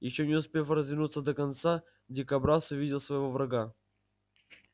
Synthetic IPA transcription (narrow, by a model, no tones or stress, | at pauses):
jɪɕːonʲɪʊspʲefɾəzvʲɪnut̪səd̪əkɐnt̪sa | dʲɪkɐbɾasʊvʲidʲɪlˠsvəjɪvovɾɐɡa